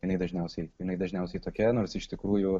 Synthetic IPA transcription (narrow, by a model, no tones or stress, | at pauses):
jɪnɐɪd̪ɐʒʲnʲɛʊsʲɛɪjɪnɐɪd̪ɐʒʲnʲɛʊsʲɛɪt̪oːkʲɛnoːɾsɪʃt̪ʲɪkɾuːjʊ